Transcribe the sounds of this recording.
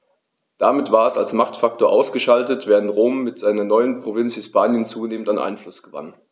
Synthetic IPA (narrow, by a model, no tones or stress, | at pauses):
d̥amɪtv̥aːɐɛsalsmaχtfak̚toːɐʔaʊsɡ̥əʃaltətv̥ɛːʁəntʁoːmːɪtz̥aɪnɐnɔʏənpʁ̥ovɪnt͡sshɪspaːnjənt͡suːneːmən̩tanʔa̰ɪnflʊsɡ̥əva̰n